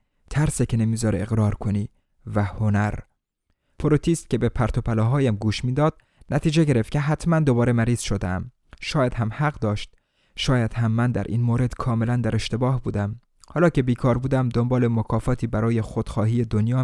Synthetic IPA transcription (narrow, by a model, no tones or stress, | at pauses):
t̪ʰæɾsecʰenemiːzɒːɾeeɣɾɒːɾkʰoniː | væhonæɾ | pʰoɾot̪ʰiːst̪̚cʲe̞bepʰæɾt̪ʰopʰælɒːɦɒːjæmɡuːʃmiːd̪ɒːd̪̥̚ | næt̪ʰiːd͡ʒeɟe̞ɾeft̪̚cʰeɦæt̪ʰmænd̪o̞bɒːɾe̞mæɾiːz̥ʃod̪ḛæ̰m | ʃɒːjæd̪̥ɦæmhæɣd̪ɒːʃt̪̚ | ʃɒːjæd̪̥hæmːænd̪æ̰ɾʔḭːnmoːɾe̞d̪̥kʰɒːme̞lænd̪æɾe̞ʃt̪e̞bɒːhbuːd̪æm | hɒːlɒːce̞biːkʰɒːɾbuːd̪æmd̪ombɒːlemokʰɒːfɒːt̪ʰiːbæɾɒːje̞xod̪̥xɒːɦiːed̪onjɒː